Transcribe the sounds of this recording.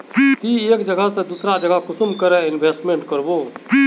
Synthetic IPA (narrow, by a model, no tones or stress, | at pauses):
t̪ieːkd͡ʒəɡəsed̪uːsɾad͡ʒəɡakʊsʊmkəɾeɪnbʱeːsʈmẽːɳʈkəɾboː